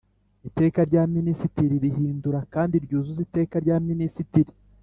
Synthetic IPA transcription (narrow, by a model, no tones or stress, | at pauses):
ite̞ːkaɾɟaːminisitiɾiɾiɦiːnduɾakaːndiɾɟuːzuzite̞ːkaɾɟaːminisitiɾi